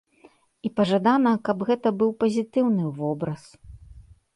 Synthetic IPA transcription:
ipɐʐad̪anɐkɐbɣɛt̪ɐbɨwpɐzʲit̪ɨwnɨvɔbɾɐs

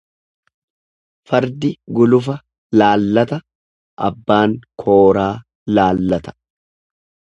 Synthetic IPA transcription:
fɐɾd̪ɪɡʊlʊfɐ | laːlːɐt̪ɐ | ʔɐ̰bːaːŋkʰo̞ːɾaː | laːlːɐt̪ɐ̥

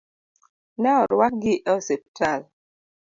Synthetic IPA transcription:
nɛɔɾwak̚ɡɪʔɔsep̚tʰal

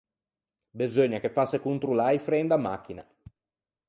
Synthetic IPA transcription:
bezoɲːakefːasekunt̪ɾulajfɾɛnd̪amːa̰k̟ːina̰

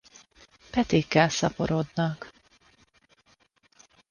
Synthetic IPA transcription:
pɛt̪eːkːɛlsɒpo̞ɾod̪nɒk

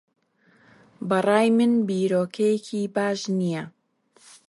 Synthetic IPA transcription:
bɐrˤɑːjmɨnbiːɾoːkʰɐjekʰibaːʒnijɛ

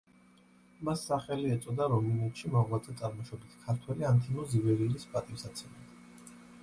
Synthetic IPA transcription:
masːaχɛliɛt̪sʼɔd̪aɾɔminɛt̪ʃimɔʁwat̪zʼɛt̪sʼaɾmɔʃɔbit̪ʰkʰaɾt̪ʰwɛliant̪ʰinɔzibɛɾilispʼat̪ʼimsat̪sʰɛmɛd̪

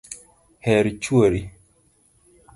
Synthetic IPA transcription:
hɛɾit͡ʃuoɾi

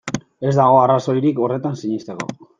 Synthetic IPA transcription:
e̞zd̪aɣ̞o̞araso̞jɾiko̞re̞t̪ansiɲist̪e̞ko̞̰

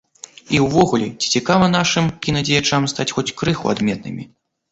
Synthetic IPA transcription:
iwvɔɣulʲɛt͡sʲi̥t͡sʲikavɐn̪aʂɨmkʲinɐd͡zʲɛjat͡ʂamst̪at͡sʲxɔt͡sʲkɾɨxṵa̰d̪mʲɛt̪̚nɨ̰mʲḭ

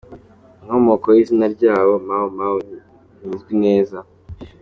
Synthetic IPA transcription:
iŋomokojizinaɾɟaːβo̞maomao | ɲizɡwine̞ːza

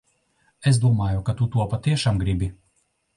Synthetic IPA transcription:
es̬d̪uɔmaːjukat̪ut̪uɔpat̪iɛʃaːmɡɾibʲi

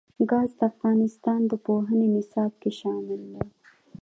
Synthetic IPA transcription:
ɡɑzd̪əafɣɑnɪst̪ɑnd̪əpoɦənenɪsɑb̚keʃɑmɪld̪a

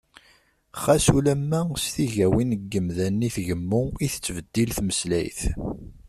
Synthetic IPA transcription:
χæsulæmːæsθiʝæwinəɡːəmðænːiθʝəmːʊiθət͡sːvəd̪̥ːilθməslæjθ

